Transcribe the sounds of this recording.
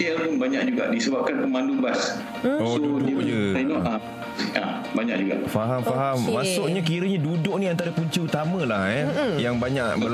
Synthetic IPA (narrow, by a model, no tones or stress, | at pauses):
ialpʊnbaɲak̚d͡ʒuɡa̰ʔdisəbap̚kanpəmãndubas | osoudiəəainɔa | a | baɲaʔ̚d͡ʒuɡa̰ʔfaɦamfaɦammasʊʔɲakiɾəɲadudʊʔ̚nĩant̪aɾəpuɲt͡ʃəut̪amə̃lahɛjaŋbaɲaʔbəl